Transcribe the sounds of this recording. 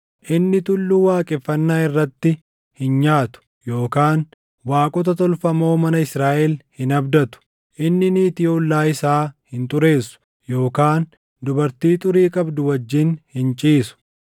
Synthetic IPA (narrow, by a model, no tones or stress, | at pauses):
ʔɪnːɪt̪ʊlːuːwaːkʼɪfːɐnːaːɪrːɐt̪ːɪ | hɪnɲaːt̪ʊ̥ | jo̞ːkaːn | waːkʼɔt̪̬ɐt̪ɔlfɐmo̞ːmɐnɐɪsɾaːʔɛlhɪnɐbd̪ɐt̪ʊ̥ | ʔɪnːɪniːt̪ɪɔlːaːɪsaːhɪnt̪ʊɾe̞ːsːʊ̥ | jo̞ːkaːn | d̪ʊbɐɾt̪iːt̪ʊɾiːkʼɐbd̪ʊwɐd͡ʒːɪnhɪnt͡ʃʼiːsʊ̥